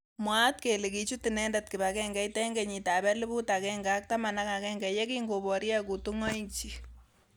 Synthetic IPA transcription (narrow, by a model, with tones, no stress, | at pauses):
mwat̚ke˨li˨ki˨t͡ʃutinɛ˦ndat̚ki˨bakɛ˦ŋɡɛ˦itɛŋɡe˨ɲi˨tabɛ˦li˦bu˦takɛŋɡa˦k̚tama˨na˦ka˨kɛŋɡɛje˦kiŋɡobɔ˨ɾja˦ku˨tuŋɔ˦iɲt͡ʃi